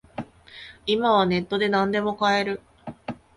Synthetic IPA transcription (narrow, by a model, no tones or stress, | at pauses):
imaβ̞ane̞t̪ːo̞d̪e̞nãnd̪e̞mo̞kae̞ɾɯ̟